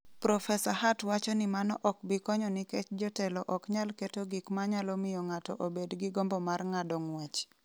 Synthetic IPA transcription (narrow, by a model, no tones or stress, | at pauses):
pɾɔfɛsahatwat͡ʃɔnɪmanɔʔɔk̚bɪkɔɲɔnɪkɛt͡ʃd͡ʒɔtɛlɔʔɔkɲalketoɡikmaɲalɔmɪjɔŋatɔʔobedɡɪɡombɔmarŋadɔŋwat͡ʃ